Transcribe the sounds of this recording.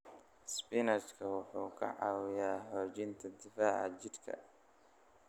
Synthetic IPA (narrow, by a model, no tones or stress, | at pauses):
spɪnɐt͡ʃkʰɐwʊħuːkʰɐ̰ʕɑ̰ːwɪjaːhɔːt͡ʃɪnt̪ʰɐd̪ɪfaːʕɑ̰t͡ʃɪd̪kʰɐ̰